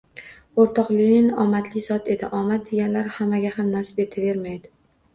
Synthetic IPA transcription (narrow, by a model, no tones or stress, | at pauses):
oɾt̪ʰɒqlɪɪnɒmat̪ʰlɪzɒt̪ʰe̞d̪ɪ̰ʔɒmat̪̚d̪eɡʲanlaɾhamːaɡʲahamnasɪ̥pe̞t̪ʰɪve̞ɾmajd̪ɪ